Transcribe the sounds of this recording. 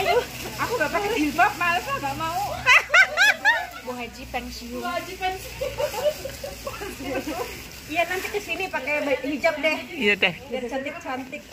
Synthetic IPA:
juakubapakaibap̚malsaɡamau | boɦad͡ʒipɛnsiad͡ʒipɛnsi | janant̪it̪isinipakajbɦid͡ʒap̚dɛhijadɛhat͡ʃant̪ɪk̚t͡ʃant̪ɪk̚

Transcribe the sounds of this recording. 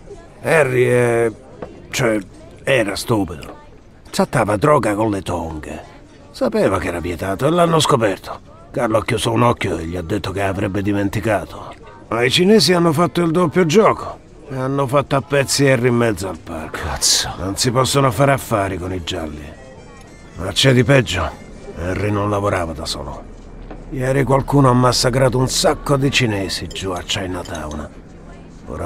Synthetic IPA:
ɛrːiɛ | t͡ʃoɛ | ɛːɾast̪uːpid̪o̰ | t̪ɾat̪ːaːvad̪ɾɔːɡakonlet̪ɔŋɡḛ | sapɛːvakɛːɾapjɛt̪aːt̪oelːanːoskopɛrt̪ʰo̥ | karloakːjuːsounɔkːjoeʎːiad̪ːet̪ːokeavɾɛbːɪd̪iment̪ikaːt̪ʰo | mait͡ʃinɛːsianːofat̪ːoild̪opːjod͡ʒɔːko̥ | eanːofat̪ːoapːɛt̪sːiɛrːimːɛd̪zːoalpa̰rk̪snonsipɔsːonofaːɾafːaːɾikonid͡ʒa̰lːḭ | mat͡ʃːɛd̪ipɛd͡ʒːo | ɛrːinonlavoɾaːvad̪asɔ̰ːlo̰ | jɛːɾikwalkuːnoamːasːakɾaːt̪̬ounsakːod̪it͡ʃinɛːsid͡ʒuat͡ʃːainːat̪a̰wna̰ | o̰ːɾa

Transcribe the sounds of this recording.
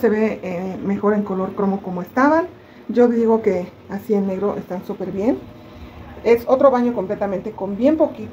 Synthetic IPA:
se̞βe̞eme̞xo̞ɾe̞ŋko̞lo̞ɾkɾo̞moko̞moest̪aβan | d͡ʒo̞ðiɣo̞ke̞ | asie̞nːe̞ɣɾo̞ʔest̪ansupe̞ɾβje̞n | e̞so̞t̪ɾo̞βaɲo̞ko̞mple̞t̪amẽnt̪e̞ko̞mbje̞mpo̞kit̪

